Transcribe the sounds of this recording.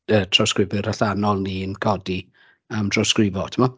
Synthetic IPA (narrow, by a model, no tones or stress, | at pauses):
əːtʰrɔwskrɪvɨɾaɬanɔlˠniːənkʰɔdi | amd̥ʰrɔskrɪvɔtʰəmɔ